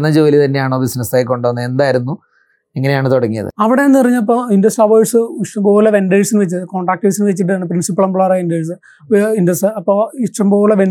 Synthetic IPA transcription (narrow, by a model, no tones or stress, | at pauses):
nːɐd͡ʑoːlit̪ɐnːde̞jaːɳoʋisnɐsaːjkːoɳɖoɐnːɨend̪aːjiɾunːu | eŋːɐne̞jaːɳɨt̪oɽɐŋːijɐ̰ðɨ̰ɐʋiɽe̞enːɨpɐrɐɲːɐlɐpːoːinɖɐsʈɐʋoːjʈsɨiʂʈɐmboːlːɐʋe̞nɖeɻsinɨʋet͡ɕːɐðɨko̞ːɳɖaːk̚ʈːesinɨʋet͡ɕːiʈːɨaːɳɨprinsipːɐlɐmbɭaːɾainɖeːs̬ɨ | inɖɐsɨɐpːoːiʂʈɐmboːɾlɐʋe